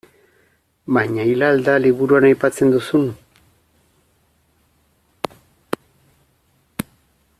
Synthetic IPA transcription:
maɲajlald̪alibʊɾuanajpat͡send̪osʊn

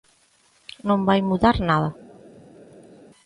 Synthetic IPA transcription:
nõmbajmuðaɾnaða

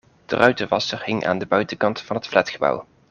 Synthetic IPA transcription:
d̥ə̰rʔœɥtəʋɑsərɦɪŋʔa̰ːndəbœɥtəkɑntfɑnɦətflɛtχəbʌ̰w

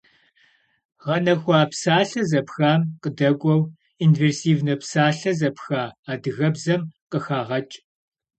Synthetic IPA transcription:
ʁɐnɐxʷaːpsaːɬɐzɐpxaːmqədɐɡʷʼɔw | inveːrsiːvnɐpsaːɬɐzɐpxaːaːdɨɣɐbzɐmqəxaːʁɐt͡ʃʼ

